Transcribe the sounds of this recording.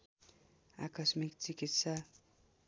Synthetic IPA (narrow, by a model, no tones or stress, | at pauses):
a̰kʌsmikt͡sikit̪sa